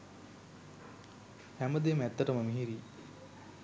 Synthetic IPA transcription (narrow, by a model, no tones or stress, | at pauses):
hæməd̪emæt̪ːɐʈəməmiɦiɾiː